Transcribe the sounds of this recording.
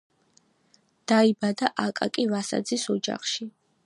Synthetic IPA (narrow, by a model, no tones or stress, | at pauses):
d̪̥aibad̪aʔakʼakʼivasa̰d̪zisɔd͡ʒa̰χʃi